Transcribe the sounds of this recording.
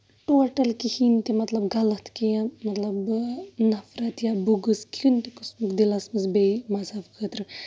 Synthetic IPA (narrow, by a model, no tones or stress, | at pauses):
ʈoːʈɐlkihint̪emɐt̪lɐbɡɐlɐt̪kijɐ̃mɐt̪lɐbnɐfɾɐt̪jabuɡɨskjunt̪ekɨsmɨkd̪ilɐsmɐsbeimɐzaːfkʰət̪ɾɨ